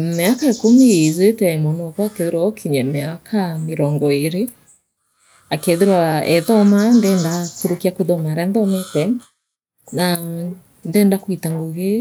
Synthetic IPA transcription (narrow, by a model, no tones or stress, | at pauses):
meakaekumiezetɛmɔnɔkɔakeðeɾwaɔkʰiɲɛmeakʰameɾɔŋɡɔeɾe | akeðeɾwaɛðɔmandɛːndakuɾukiakuðɔmaɾɛndɔnɛtɛ | na | ndɛːndakwitaŋɡoɣe